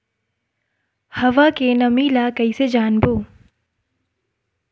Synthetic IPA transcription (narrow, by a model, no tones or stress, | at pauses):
hɐʋakenɐmiːlakɐised͡ʒaːnboː